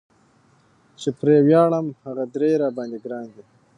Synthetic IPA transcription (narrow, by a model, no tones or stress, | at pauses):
t͡ʃepɾewjɑːɭəmhaɣad̪ɾeɾɑbɑnd̪iɡɾɑnd̪i